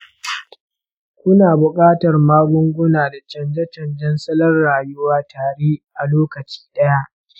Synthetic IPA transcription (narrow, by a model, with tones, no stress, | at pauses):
kʷʊ˦naː˨bʊ˨kʼaː˦tɐ˨rmaː˦ɡʷʊ˦ŋɡʷʊ˦naː˨da˨t͡ʃɐ˨nd͡ʒɛ˦t͡ʃɐ˨nd͡ʒɛ˦nsɐ˦lɐ˦rːaː˨jʊ˦waː˦tʰaː˨ɾeː˦ʔa˨loː˦kɐ˨t͡ʃi̥ː˦ɗɐ˦ja˦ʔ